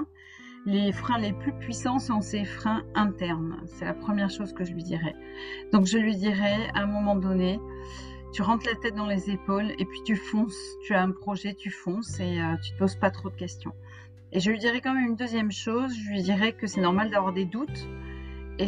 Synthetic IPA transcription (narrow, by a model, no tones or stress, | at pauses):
lefχɛ̃leplypɥisɑ̃sɔ̃sefχɛ̃ɛ̃t̪ɛʁnsɛlapχəmjɛʁʃozkəʒəlɥid̪iʁɛ | d̪̥ɔ̃kʒəlɥid̪iʁɛɛ̰̃ɛ̃mɔmɑ̃d̪ɔne | t̪yʁɑ̃t̪lat̪ɛt̪̚d̪ɑ̃lezepolḛpɥit̪yfɔ̃st̪yaɛ̃pχɔʒɛt̪yfɔ̃seøt̪y̥t̪əpozpat̪χod̪əkʲɛst̪jɔ̰̃ | eʒəlɥid̪iʁɛkɑ̃mɛmynd̪øzjɛmʃozʒəlɥid̪iʁɛkəsɛnɔʁmald̪avwaʁd̪ed̪ut̪ | e